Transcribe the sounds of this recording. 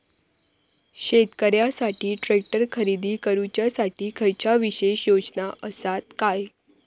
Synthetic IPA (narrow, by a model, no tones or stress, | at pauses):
ɕet̪kəɾjasaʈiːʈɾek̚ʈəɾkʰəɾid̪iːkəɾut͡ɕjasaʈiːkʰəjt͡ɕaʋiɕeɕjod͡znaʔəsat̪kaj